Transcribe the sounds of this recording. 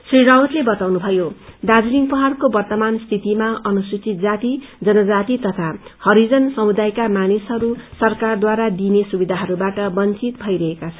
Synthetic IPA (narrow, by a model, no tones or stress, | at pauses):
sriɾawt̪lebʌt̪awnubʱʌjod̪ad͡zuliŋpʌɦarkobʌrt̪ʌmanst̪ʰit̪imaʌnuswit͡sit̪̚d͡zat̪id͡zʌnʌd͡zat̪it̪ʌt̪ʰahʌɾid͡zʌnsʌmud̪ajkamanisɦʌɾusʌrkard̪waɾad̪inesubid̪ʱaɦʌɾubaʈʌbʌnt͡sit̪bʱʌjɾʌɦekat͡sʰʌn